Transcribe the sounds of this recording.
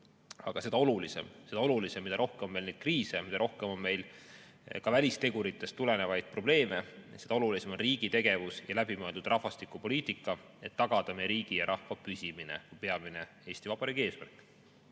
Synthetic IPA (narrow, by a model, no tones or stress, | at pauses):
ɑ̰ɡ̥ɑse̞d̪ɑo̞lulise̞̰mse̞d̪ɑo̞lulisemid̪ɑɾo̞hkemome̞lnejd̪̥kriːse̞mid̪̥ɑɾo̞hke̞mo̞nme̞jl | kɑvælʲist̪e̞ɡuɾit̪ːˑe̞st̪ːule̞ne̞vɑjd̪̥̚pro̞b̥le̞ːme̞se̞d̪ɑolulise̞mo̞nriːɡ̥it̪e̞ɡ̥e̞vusjɑlæbimøe̞ld̪ud̪̥rʔɑhfɑst̪ikːˑupo̞lʲiːt̪ˑikːˑɑ | e̞t̪ːɑɡ̥ɑd̪̥ɑmejɾiːɡ̥ijɑɾʔɑhvɑpysʲimine̞̰kujpe̞ɑmine̞ | e̞ːsʲt̪ivɑb̥ɑɾiːɡ̥ie̞ːsmærkːˑ